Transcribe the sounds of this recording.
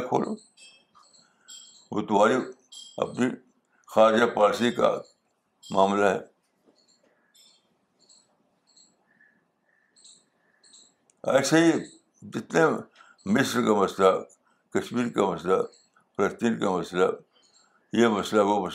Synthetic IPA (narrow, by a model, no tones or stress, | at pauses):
kʰo̰ːlo̰ | ʋo̰t̪ʊm̤aːɾi | ɐ̰pni | xaːɾd͡ʒapaːlsika̰ | maːmlaɦɛː | ɛ̰ːsei | d͡ʒɪt̪ne | mɪsɾkamɐsla | kɐʃmiːɾkamɐsla | pʰɐɾəst̪iːɾkamɐsla | jemɐslawomɐs